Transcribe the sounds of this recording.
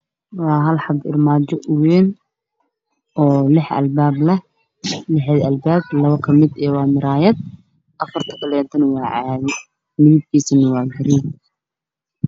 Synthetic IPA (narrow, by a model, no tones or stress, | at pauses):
wɑːɦɐlħɑd̪ɪ̰lmaːt͡ʃɔʔʊwɛːn | ʔɔːlɪħɐ̰lbaːblɐh | lɪħɛd̪ɐlbaːblɐβɐkʰɐmɪd̪ɛːwɑːmɪɾaːjɛd̪̚ | ʔɐfɐrt̪ʰɐ̥kɐlɛːnt̪ʰɐnwɑːʕaðɪ | mɪðɪb̚kʰiːsɐnɐwɑːɡɐɾiːb̚